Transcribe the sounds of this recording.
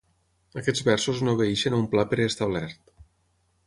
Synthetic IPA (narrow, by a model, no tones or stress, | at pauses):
əkɛd͡zβɛɾsuznoβeiʃenumplapeɾːst̪aβlɛɾt̪